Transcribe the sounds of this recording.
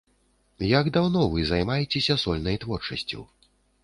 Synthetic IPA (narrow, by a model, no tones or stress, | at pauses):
jaɡd̪awnɔvɨzajmajɛt͡sʲɛsʲɐsɔlʲnɐjt̪vɔrt͡ʂɐsʲt͡sʲṵw